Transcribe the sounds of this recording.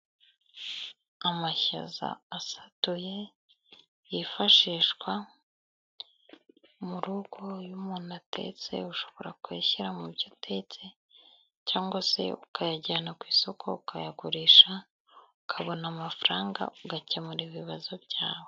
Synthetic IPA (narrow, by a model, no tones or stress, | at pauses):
amaça̰za̰ːsatuje̞ | jifaʃiːʃkwa | muɾuɡojumuːnatʰe̞̰t͡se̞̰uʃo̞βo̞ɾakwḛːçiɾamubjotʰe̞t͡se̞ | caːŋɡwase̞̰ukʰajaɟanakwiːsokʰo̰ukʰajaɡuɾiːʃa | ukʰaβo̞namafɾaːŋɡa̰uɡacemuɾiβiβazobɟaːwe